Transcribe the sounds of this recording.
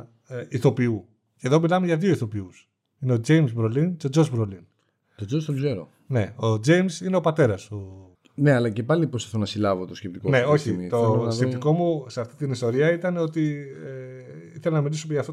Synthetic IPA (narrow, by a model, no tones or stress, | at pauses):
iθo̞piu | ce̞ðo̞milɐmeʝɐðio̞iθo̞pius | ine̞od͡ʒe̞jmzbɾolinceo̞d͡ʒozbɾolin | t̪od͡ʒost̪ozeɾo̰ | ne̞̰od͡ʒe̞jmsine̞o̞pɐt̪e̞ɾɐst̪u | ne̞ɐlɐce̞pɐlipɾoseθonɐsilɐvot̪oscʲept̪ikone̞o̞çit̪oscept̪iko̞museɐft̪it̪inist̪o̞ɾiɐit̪ɐne̞o̞t̪i | iθelenɐmilisomeʝɐft̪o